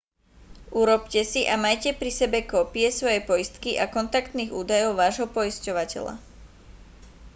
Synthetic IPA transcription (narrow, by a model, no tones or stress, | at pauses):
ʔuɾɔpcɛsiʔamajcɛpɾisɛbɛkɔːpiɛsʋɔjɛpɔjist̪kiʔakɔnt̪akt̪niːɣuːd̪ajɔʊʋaːʒɦɔpɔiscɔʋacɛ̰ʎa̰